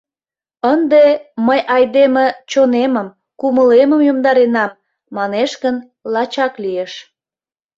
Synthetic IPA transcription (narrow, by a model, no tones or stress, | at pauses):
ənd̪eməjʔɑjd̪emet͡ɕoneməm | kuməleməmjomd̪ɑɾenɑmː | ɑneʃɡən | lɑt͡ɕɑklieʃ